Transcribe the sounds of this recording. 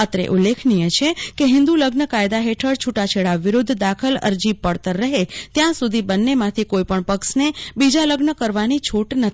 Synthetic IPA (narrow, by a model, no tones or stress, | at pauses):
ət̪ɾḛʔulːekʰnijet͡ʃʰekeɦɪ̃nd̪uləɡnəkajd̪aɦeʈʰəɽt͡ʃʰuʈat͡ʃʰeɭaʋɪɾʊd̪ʱːd̪akʰələ̰ɾd͡ʒibpəɽt̪əɾːəɦet̪jãsud̪ʱibənːemãt̪ʰikoipəɳpəksnebid͡ʒaləɡnəkəɾʋanit͡ʃʰuʈnət̪ʰ